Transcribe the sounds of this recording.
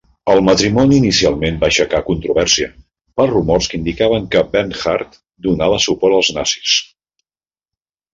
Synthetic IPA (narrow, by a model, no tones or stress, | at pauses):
əlˠmət̪ɾimɔniːnisialˠmenbaʃəkakunt̪ɾuβ̞ɛɾsiə | pəlˠrumɔrskind̪ikaβəŋkəbɛnxaɾt̪ | d̪unaβəsupɔɾəlˠznasi̥s